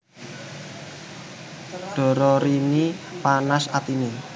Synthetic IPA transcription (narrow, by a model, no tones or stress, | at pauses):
ɖ̥ɔ̤ɾɔɾinipanasat̪ine